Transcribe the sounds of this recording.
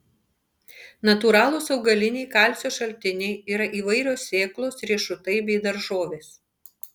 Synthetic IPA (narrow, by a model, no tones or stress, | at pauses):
nɐt̪uːɾɑːlˠosɒʊɡɐlʲɪnʲɛɪkɑˑlʲsʲoːʃɐlʲt̪ʲɪnʲɛɪiːɾɐʔiːʋɐɪɾʲoːsːʲeːklˠoːsɾʲiɛʃʊt̪ɐɪbʲɛɪd̪ɐɾʒoːʋʲeːs